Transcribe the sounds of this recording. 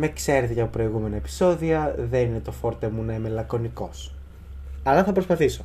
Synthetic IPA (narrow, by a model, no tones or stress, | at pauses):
mekse̞ɾθʝɐopɾo̞iɣume̞nɐepi̥so̞ðiɐðe̞nine̞t̪o̞fo̞ɾt̪emunɐime̞lɐko̞niko̞s | ɐlɐθɐpɾospɐθiso̞